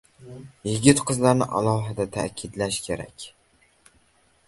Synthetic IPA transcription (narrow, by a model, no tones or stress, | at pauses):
jɪɡʲɪt̪qʰɨzlaɾnɪ̰ʔa̰lˠɒɦɪd̪at̪ʰa̰kʲʰɪd̪laʃkʲʰe̞ɾa̰kʲ